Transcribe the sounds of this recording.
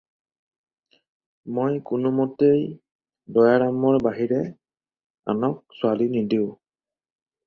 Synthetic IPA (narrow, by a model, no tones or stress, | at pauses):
mojkʊnʊmɔtej | dɔjaɹamɔɹbaɦiɹɛ | a̰nɔk̚sʊalinidiʊ̃